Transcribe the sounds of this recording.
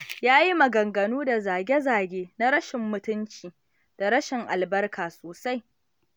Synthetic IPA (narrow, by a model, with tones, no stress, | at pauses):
jaː˦ji˦mɐ˨ɡɐ˨ŋɡɐ˨nuː˦da˨zaː˨ɡʲe˦zaː˨ɡʲeː˦na˦ɾɐ˦ʃɪ˨mːʊ˨tʊ˦nt͡ʃiː˨ | d̥a˨ɾɐ˦ʃɪ˨ŋʔa˨lbɐ˦rkʰaː˨soː˨sa˦j